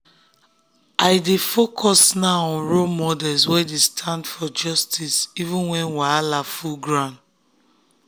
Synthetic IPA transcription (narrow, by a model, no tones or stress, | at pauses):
aɪdefokʰɔsnaɔ̃nɹomɔdɛlswɛdestʰãndfɔd͡ʒɔstisivũnwɛ̃nwaalafuɡɹãn